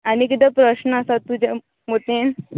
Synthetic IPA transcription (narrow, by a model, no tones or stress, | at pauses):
añikit̪epɾəɕnəasat̪ːud͡ʑa | mot̪en